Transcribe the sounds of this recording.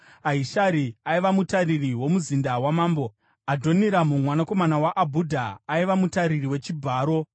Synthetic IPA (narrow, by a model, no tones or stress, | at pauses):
aiʃaɾiaiʋamutaririwo̞muzindawamaːmbo̞ | adʱo̞niɾamumwanako̞manawaʔabʱudʱaːiʋamutaɾiriwe̞t͡ʃibʱaːɾo̞